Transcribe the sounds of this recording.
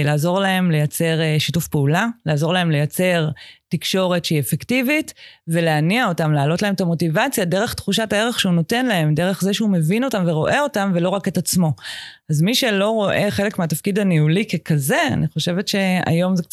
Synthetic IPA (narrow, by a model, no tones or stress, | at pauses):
laːzo̞ʁlahe̞mle̞jat͡se̞ʁʃitufpeulalaːzo̞ʁlae̞mle̞jat͡se̞ʁtikʃo̞ʁe̞tʃeiefektivitve̞leaniao̞tamlaːlo̞tlaemtamo̞tivat͡sjadeʁe̞χtχuʃataeʁe̞χʃeuno̞te̞nlae̞mde̞ʁe̞χzeʃeume̞vino̞tamveʁo̞ʔe̞o̞tamvelo̞ʁaketat͡smo̞azmiʃelo̞ʁo̞ʔe̞χe̞lekmeatafkidaniulikekaze̞a̰niχo̞ʃevetʃe̞a̰jo̞mzek